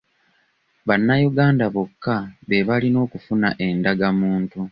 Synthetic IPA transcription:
βanːajuɡaːndaβokːaβe̞βalino̞ːkufunaʔe̞ndaɡamuːntu

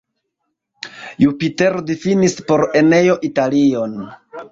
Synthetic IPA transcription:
jupite̞ɾdifinispo̞ɾe̞ne̞jo̞ʔitalio̞n

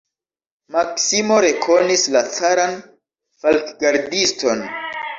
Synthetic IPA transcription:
maksimo̞ɾe̞kʰo̞nislat͡saɾan | falkɡaɾdisto̞n

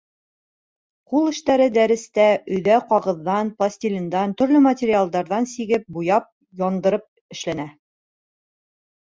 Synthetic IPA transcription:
qulˠɘ̆ʃt̪æɾɘd̪æɾɘ̆st̪æʔɵ̆jðæqɒʁɤ̆ðːɑnplˠasʲt̪ʲilʲind̪ɑnt̪ɵ̆ɾlɵmɐtʲeɾʲialˠd̪ɑɾðɑnsiɡɘp̚bujɑp̚ | jɒnd̪ɤ̆ɾɤp̚ | ɘ̆ʃlænæ

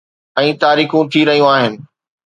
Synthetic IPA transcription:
ɛ̃ːt̪aːɾiːxũt̪ʰiɾɐɦijũaːɦɪnɪ̆

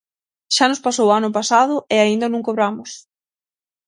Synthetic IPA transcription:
ʃanʊspasowanʊpasaðʊɪaind̪ɐnũŋkoβɾamʊs

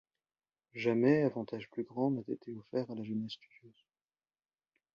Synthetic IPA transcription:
ʒamɛavɑ̃t̪aʒplyɡʁɑ̃nat̪ḛt̪eɔfɛʁalaʒənɛst̪y̥d̪jøːz

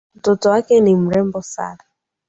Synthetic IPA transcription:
m̩tɔtɔwakɛnim̩ɾɛmbɔsa̰ɾa

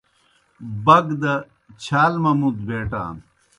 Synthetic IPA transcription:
bɐɡd̪ɐ | t͡ɕʰaːlmɐmud̪̚beːʈa̰ːn

